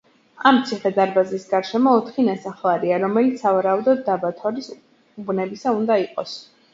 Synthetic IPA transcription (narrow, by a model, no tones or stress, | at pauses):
amt̪sʰiχɛd̪aɾbazisɡaɾʃɛmɔːt̪ʰχinasaχlˠaɾiaɾɔmɛlit̪sʰavaɾaud̪ɔd̪ːabat̪ʰɔɾis | ubnɛbisaund̪aiqʼɔs